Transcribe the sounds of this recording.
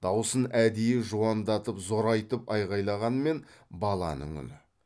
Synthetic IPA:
d̪̥ɑwsənæd̪ejɪʒuɑnd̪ɑt̪əpzo̞ɾɑjt̪əpɑjʁɑjlˠɑʁɑnme̞nbɑlˠɑ̰nə̰ɴʏ̰nɪ

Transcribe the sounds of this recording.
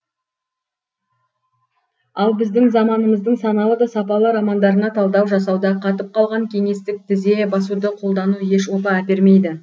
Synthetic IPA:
ɑlˠbɪzd̪ɪŋzɑmɑnəməzd̪əɴsɑnɑlˠəd̪ɑsɑpɑlˠəɾɑmɑnd̪ɑɾənɑt̪ʰɑlˠd̪ɑwʒɑsɑwd̪ɑqʰɑt̪əp̚qʰɑlˠʁɑŋkʲʰe̞ŋe̞st̪ɪk̚t̪ʰɪze̞bɑsud̪əqʰo̞lˠd̪ɑnuje̞ʃwo̞t̪ɑæt̪e̞ɾme̞jd̪ɪ

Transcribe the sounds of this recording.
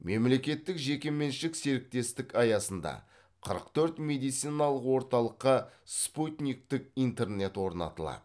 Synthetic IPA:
memle̞kʲe̞t̪ːɪkʒe̞kʲe̞me̞nʃɪkse̞ɾɪk̚t̪e̞st̪ɪkɑjɑsənd̪ɑ̰ | qʰəɾə̰q̚t̪ʰɵɾt̪me̞d̪ijt̪sɨjnɑlˠəqwo̞ɾt̪ɑlˠəqːəsput̪nʲijk̚t̪ɪk̚ijnt̪e̞rne̞t̪wo̞ɾnɑ̰t̪əlˠɑ̰d̪ə

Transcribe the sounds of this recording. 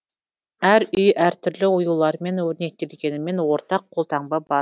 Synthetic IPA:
æɾʏjæɾt̪ʰʏɾlɪʊjulˠɑɾme̞nwɵɾne̞t̪ːelɡʲe̞nɪme̞nwo̞ɾt̪ɑqʰːolˠt̪ʰɑɴbɑbɑ

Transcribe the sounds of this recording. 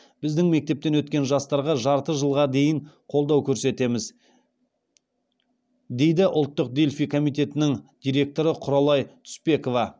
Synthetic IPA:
b̥ɪzd̪ɪŋme̞k̚t̪e̞p̚t̪enwɵt̪kʲe̞nʒɑst̪ɑɾʁɑʒɑɾt̪əʒəlˠʁɑd̪e̞jɪɴqʰo̞lˠd̪ɑwkʲʰɵɾse̞t̪e̞mɪz | d̪e̞jd̪ɪʔʊlˠt̪ːəq̚d̪elʲfijkʰo̞mijt̪e̞t̪ɪnɪŋd̪̥ijɾʲe̞k̚t̪o̞ɾəqʰʊɾɑlˠɑjt̪ʰʏ̥spe̞ko̞vɑ

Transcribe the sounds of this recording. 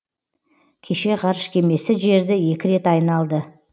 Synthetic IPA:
kʲʰe̞ʃe̞ʁɑɾʃkʲʰe̞me̞sɪʒe̞ɾd̪ɪje̞kʲɪɾe̞t̪ɑjnɑlˠd̪ə

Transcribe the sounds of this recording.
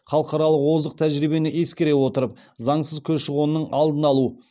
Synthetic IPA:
χɑlˠəqɑɾɑlˠəqwo̞zd̪əq̚t̪ʰæʒɾijbe̞nɪʔe̞skʲeɾe̞wo̞t̪əɾəp̚ | zɑɴsəzkʲʰɵzʃəʁonːəɴɑlˠd̪ənɑlˠu

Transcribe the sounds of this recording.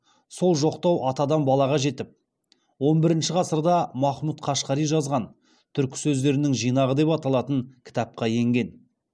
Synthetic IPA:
so̞lˠʒo̞qt̪ɑwʔɑt̪ɑd̪ɑnbɑlˠɑʁɑʒe̞t̪ɪp̚ | wo̞nbɪɾɪnʃɪʁɑsəɾd̪ɑmɑχmut̪qʰɑʃqɑɾijʒɑzʁɑn | t̪ʰʏɾkʲɪ̥sɵzd̪e̞ɾɪnɪŋʒijnɑʁəd̪e̞pɑt̪ɑlˠɑt̪əŋkʲʰɪ̥t̪ɑp̚qɑje̞ŋɡʲe̞n

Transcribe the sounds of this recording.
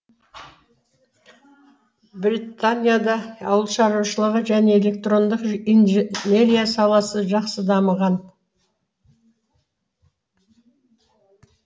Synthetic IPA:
brit̪ːanʲijad̪ɑːwəlˠʃɑɾuwʃəlˠəʁəʒæne̞ele̞k̚t̪ro̞nd̪əqinʒne̞ɾʲijasɑlˠɑsəʒɑqsəd̪ɑməʁɑn

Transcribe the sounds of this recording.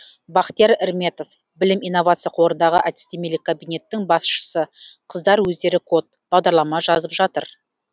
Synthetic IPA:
bɑqt̪e̞ɾɪɾme̞t̪o̞f | bɪlɪmijno̞vat̪sɨjaqʰo̞ɾənd̪ɑʁəʔad̪ɪ̥st̪emilɪkʰːabijnʲe̞t̪ːɪŋbɑsʃə̥səqʰəzd̪ɑɾwɵzd̪e̞ɾɪkʰo̞t̪̚b̥ɑʁd̪ɑɾlˠɑmɑʒɑzəpʒɑt̪əɾ

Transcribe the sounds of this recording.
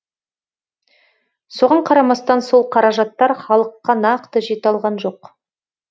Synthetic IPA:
so̞ʁɑɴqʰɑɾɑmɑst̪ɑnso̞lˠqʰɑɾɑʒɑt̪ːɑɾχɑlˠəqːɑnɑqt̪əʒet̪ɑlˠʁɑnʒo̞q

